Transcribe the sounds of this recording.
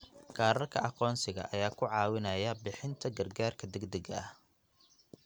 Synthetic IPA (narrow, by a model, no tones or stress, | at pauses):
kʰɑːɾɐrkʰɐ̰ʔɑqɔːnsɪɣɐ̰ʔɐjaːkʰʊʕɑːwɪnɐjɐbɪħɪnt̪ʰɐɡɐrɡaːrkʰɐd̪ɛɡd̪ɐɡɐɐh